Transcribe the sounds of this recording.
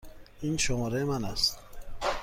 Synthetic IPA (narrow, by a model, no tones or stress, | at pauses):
inʃʊmɔɾemanast̪